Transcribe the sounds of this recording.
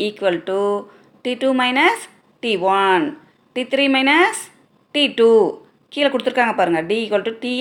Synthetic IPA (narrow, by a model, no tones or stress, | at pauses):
iːkʋɐlʈu | ʈiːʈumɐɪnɐs | ʈiːʋɐn | ʈit̪ʰɾiːmɐɪnɐs | ʈiʈu | kiːlɐkːɔɽɯt̪ːɯɾɯkːaːŋɡɐpaːɾɯŋɡɐɖiiːkʋɐlʈuʈi